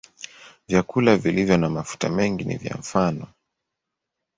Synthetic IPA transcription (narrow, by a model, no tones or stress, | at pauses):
vjakulavilivjɔnamafu̥tamɛŋɡinḭvja̰ɱ̩fanɔ